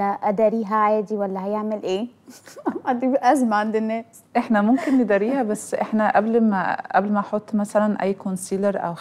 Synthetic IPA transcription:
æʔæd̪ɑːɾiːɦæʕajd̪iwælːæɦæjeʕmelʔeː | ad̪ibʔæzmaʕand̪enːæːs | ʔeħnæmomkenːed̪ɑɾiːhæbæsːʔeħnæʔæblmæʔæblmæʔɑħot̪ˤːmæsælænʔæ̰jːkonsiːleɾʔæ̰w

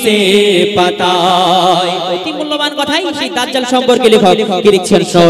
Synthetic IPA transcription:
epat̪a | jot̪imulːobankɔt̪ʰajʃid̪at̪d͡ʑalʃɔmpoɾkelekʰokiɾek̚t͡ɕʰonʃɔ

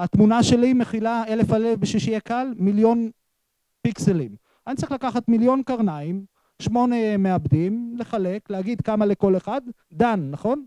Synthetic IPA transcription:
at̪munaʃe̞lime̞χilaelefalefbeʃiʃiakalmiljo̞n | pikselim | anit͡saʁiχlakaχat̪miljonkaʁnaim | ʃmo̞nemeabdimle̞χale̞kleaɡid̪kamale̞ko̞leχad̪ːanːaχo̞n

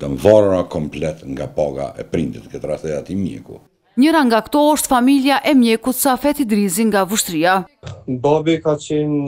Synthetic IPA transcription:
t̪amvɔɾɾakɔmplɛt̪ŋɡapaɡa̰ʔɛ̰pɾint̪it̪kət̪ɾaθɛat̪imjɛ̰kṵ | ɲəɾaŋɡakt̪ɔɔʃt̪familjaʔɛmjɛkut̪safɛt̪id̪ɾiziŋɡavuʃt̪ɾiabɔbikat͡ʃɛn

